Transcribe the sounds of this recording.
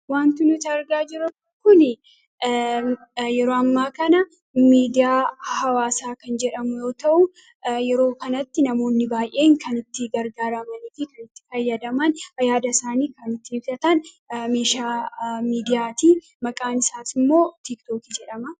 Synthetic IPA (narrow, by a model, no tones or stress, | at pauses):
waːnt̪ɪnʊt̪ɐɾɡaːd͡ʒɪɾʊ | kːʊnɪ | jɛɾoːɐmːaːkɐnɐ | miːd̪ɪjaːhɐwaːsaːkɐnd͡ʒɛᶑɐmʊjo̞ːt̪ɐʔʊ | jɛɾo̞ːkɐnɐt̪ːɪnɐmo̞ːnːɪbaːjʔe̞ːŋkʰɐnɪt̪ːɪɡɐɾɡaːɾɐmɐnɪfɪkɐnɪt̪ːɪ̥fɐjːɐd̪ɐmɐnhɐjaːd̪ɐsaːniːkɐnɪt̪ːɪɪbt̪ɐt̪ɐn | meːʃaːmiːd̪ɪjaːt̪iː | mɐkʼaːnɪsaːsɪmːo̞ːt̪ɪkt̪o̞ːkid͡ʒɛᶑɐmɐ